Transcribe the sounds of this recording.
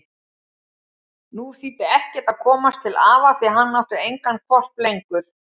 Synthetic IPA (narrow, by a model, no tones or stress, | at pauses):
nuθiːt̪ɪɛhcɛɾ̥t̪aðkʰɔːmast̪ʰɪlaːvaθiaɦanːawt̪ʏɾejŋkankʰvɔl̥plejŋkʏɾ̥